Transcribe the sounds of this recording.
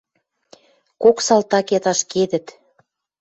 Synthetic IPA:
koksɑlt̪ɑket̪ɑʃked̪ə̆t̪

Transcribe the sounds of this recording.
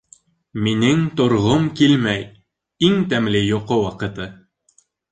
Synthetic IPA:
minɘŋt̪ŏɾʁomkilmæj | iŋt̪æmlɘjoqowɑqɤ̆t̪ɤ

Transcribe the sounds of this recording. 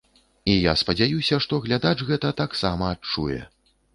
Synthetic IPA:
ijaspɐd͡zʲajusʲɐʂt̪ɔɣlʲad̪at͡ʂɣɛt̪ɐt̪aksamɐːt͡ʂujɛ̰

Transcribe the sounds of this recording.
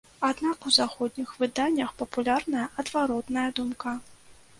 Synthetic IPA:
ad̪nakuzaxɔd̪ʲnʲixvɨd̪anʲːɐxpɐpulʲarnɐjɐʔɐd̪vaɾɔt̪nɐjɐd̪umka

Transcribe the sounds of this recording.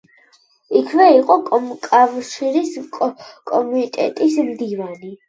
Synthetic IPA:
ikʰvɛiqʼɔkʼɔmkʼavʃiɾiskʼkʼɔmuit̪ʼɛ̰t̪ʼismd̪ivani

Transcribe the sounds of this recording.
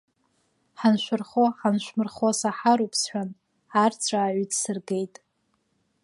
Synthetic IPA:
ħanʃʷᶣʊrχoħanʃʷmɨrχasaħaɾupʰsħʷᶣan | art͡sʷʰʼaːʕʷidsɨrɡe̞jtʼ

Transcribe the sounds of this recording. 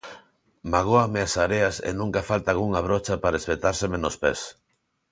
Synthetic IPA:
maɣ̞oameasaɾeasḛnũŋkafalt̪aɣuŋaβ̞ɾot͡ʃapaɾespet̪aɾsemenospes

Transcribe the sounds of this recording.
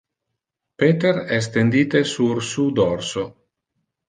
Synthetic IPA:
peːt̪eɾɛs̬t̪end̪iːt̪esursud̪ɔrso

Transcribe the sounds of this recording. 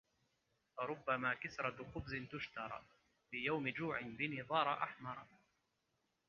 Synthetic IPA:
faɾˤʊbːamaːkasɾˤɑqʊbzɪnt̪ʊʃt̪ɑɾˤɑ̰ | fiːjawmɪd͡ʒuːʕɪnbɪniðˤɑːɾˤɑʔaħmɑɾˤ

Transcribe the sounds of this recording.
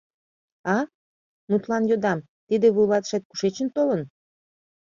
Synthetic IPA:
ɑ | mut̪lɑnjod̪ɑm | t̪id̪eβulɑt̪ʃet̪̚ku̥ʃet͡ɕə̆nt̪olən

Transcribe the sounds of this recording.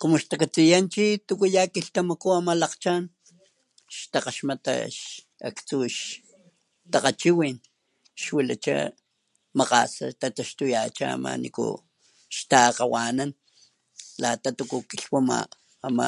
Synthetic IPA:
kumoʃt̪akat͡sijant͡ʃit̪ukujakiɬt̪amakuamalaqt͡ʃan | ʃt̪aqaʃmat̪a̰ʃ | a̰kt͡suʃ | t̪aqat͡ʃiwin | ʃwila̰t͡ʃa̰ | maqa̰sa̰t̪at̪aʃt̪ujat͡ʃa̰ama̰nḭkṵ | ʃt̪aqawanan | lat̪at̪ukukiɬwama̰ː | ma̰

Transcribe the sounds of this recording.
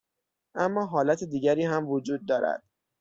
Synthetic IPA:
ʔæmːɒːɦɒːlæt̪ʰed̪iːɟæɾiːɦæmvod͡ʒuːd̪̚ːɒːɾæ̰d̪̥

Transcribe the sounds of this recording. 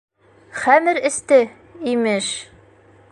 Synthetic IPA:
χæmɘɾɘ̆st̪ɘ | imɘʃ

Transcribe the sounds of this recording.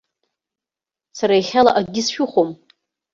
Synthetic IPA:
saɾaiχʲala̰ʔad̚ɡʲɪsʃᶣʊχʷom

